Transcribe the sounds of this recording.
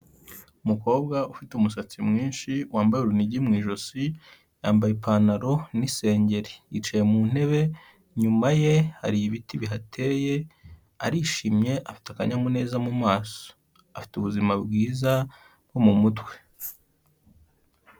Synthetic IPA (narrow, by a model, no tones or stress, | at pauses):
umuko̞ːbɡaufiteumusat͡simŋiːnʃiwaːmbajuɾuniɟimŋiːʒo̞si | jaːmbajepʰaːnaɾo̞nise̞ːɲɟe̞ɾiit͡ʃajemuːn̥he̞βe̞ | ɲumaje̞ha̰ɾijiβitiβiɦatʰe̞ːje̞ | aɾiːʃiːmɲe̞ʔafi̥taka̰ɲamune̞ːzamumaːso̥ | afi̥tuβuzimabɡiːza | ɡomumutwe̞̥